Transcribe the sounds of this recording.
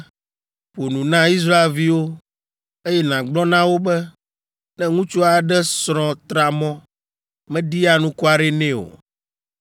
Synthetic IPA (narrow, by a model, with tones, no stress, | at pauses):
ɸo˨nũ˨nã˦i˦s̬ɾa˦e˨lvi˦wo˦ | e˦jɛ˦nã˨ɡ͡blɔ˦nã˦wo˦bɛ˦ | nɛ̃˦ŋũ˦t͡ʃu˦a˨ɖɛ˦sɾɔ̃˨t̪ɾa˨mɔ̃˦ | mɛ̃˦ɖi˦a˦nũ˦ku˦a˨ɖɛ˦nɛ̃˦o̰˨